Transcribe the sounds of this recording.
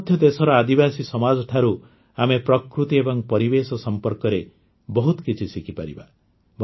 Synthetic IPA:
d̪ʱjɔd̪esɔɾɔad̪ibasisɔmad͡ʒɔʈʰaɾu | amepɾɔkɾut̪iebɔŋpɔɾibesɔsɔmpɔɾkɔɾe | bɔɦut̪ɔkit͡ʃʰisikʰipa̰ɾḭba | bʱ

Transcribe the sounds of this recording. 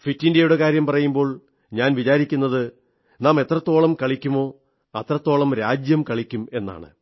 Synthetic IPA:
fitːindejuɽekaːɾjɐmpɐrɐjumbo̞ːɭ | ɲaːnʋit͡ɕaːɾikʲːunːɐðɨ | naːme̞t̪ːrɐt̪ːo̞ːɭɐmkɐɭikʲːumo̞ː | ɐt̪rɐt̪ːo̞ːɭɐmɾaːd͡ʑjɐmkɐɭikʲːume̞nːa̰ːɳɨ̰

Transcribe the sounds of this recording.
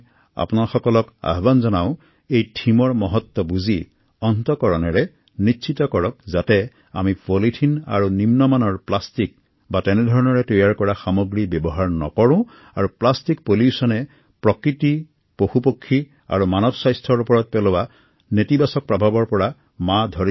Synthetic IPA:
a̰punaɹxɔkɔlɔka̰ɦɔbanzɔnaʊ̃ | ejtʰimɔɹmɔɦɔt̪ːɔbuzi | ɔntɔkɔɹɔnɛɹɛ | nisʰitɔkɔɹɔk̚zatɛ | amipolitʰina̰ɹunimnɔmanɔɹplastik | batɛnɛdʱɔɹɔnɔɹɛtɔjaɹkɔɹaxamɔɡɹibjɔbɔɦaɹnɔ̰kɔɹʊ̃ | aɹuplastik̚poliusɔnɛ | pɹɔkɹiti | poxupokʰːi | a̰ɹumanɔbsajstʰɔɹupɔɹɔt̚pɛlɔwa | netibasɔk̚pɹɔbʱabɔɹpɔɹa | madʱɔɹi

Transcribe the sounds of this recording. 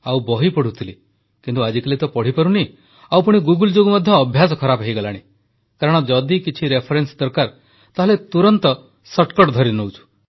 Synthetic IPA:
awbɔɦipɔɽ̤ut̪ʰili | kint̪uad͡ʒikalit̪ɔpɔɽ̤ipɔɾuni | awpuɽ̃iɡuɡuld͡ʒoɡumɔd̪ʱjɔːbʱjasɔkʰɔɾapɦejɡɔlaɽ̃i | kaɾɔɽ̃ɔd͡ʒɔd̪ikit͡ʃʰiɾepʰɔɾensd̪ɔɾkaɾ | t̪aɦɔlet̪uɾɔnt̪ɔ | sɔʈkɔʈd̪ʱɔɾinowt͡ʃʰu̥

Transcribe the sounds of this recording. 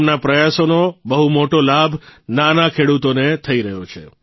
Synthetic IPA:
mnapɾəjasonobəɦumoʈolabʱnanakʰeɽut̪onet̪ʰəiɾəɦjot͡ʃʰe

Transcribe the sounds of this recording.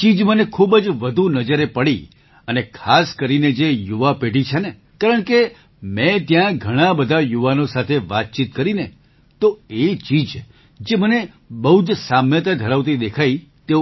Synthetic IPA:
t͡ʃid͡ʒmənekʰubd͡ʒʋəd̪ʱunəd͡ʒəɾepəɽi | ənekʰaskəɾined͡ʒejuʋapeɖit͡ʃʰene | kaɾəɳke | mɛ̃t̪jãɡʱəɽ̃ãbəd̪ʱajuʋanosat̪ʰeʋat̪̚t͡ʃit̪kəɾine | t̪oet͡ʃid͡ʒ | d͡ʒeməne | bəɦud͡ʒsamjət̪̬ad̪ʱəɾaʋt̪̬id̪ekʰait̪e

